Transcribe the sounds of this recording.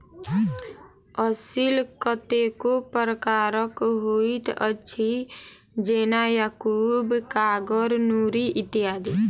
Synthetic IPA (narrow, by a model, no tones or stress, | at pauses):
əsilkət̪ekopəɾəkaːɾəkɦoit̪ətːʃʰi | d͡ʒeːnajaːkuːbkaːɡəɾnuːɾiʔɪt̪ːiɦaːd̪i